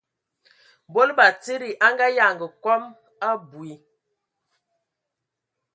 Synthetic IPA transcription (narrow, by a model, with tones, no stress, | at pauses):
bo˦lba˨ti˦ɾi˨ʔa˦ŋɡa˦ja˨ŋɡə˨kɔ˦m | a˦bu˨i˨˦